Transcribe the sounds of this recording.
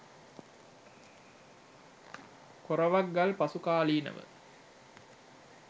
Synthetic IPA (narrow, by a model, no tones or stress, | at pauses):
koɾɐʋaɡɡːalpasukaːliːnə̰ʋə̰